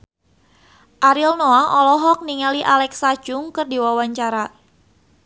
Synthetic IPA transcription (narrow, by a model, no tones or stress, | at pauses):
ʔaɾilnoaɔlɔɦɔk̚niŋaliʔalɛksḁd͡ʒ̥ʊŋkərdiwawaɲt͡ʃaɾa